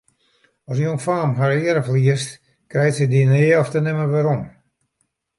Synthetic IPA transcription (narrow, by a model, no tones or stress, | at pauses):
ɔsjoənfaːmɦaɾɪəɾəfliəst | krɛjtsɛdinɪːɔftənɪməʋaɾɔm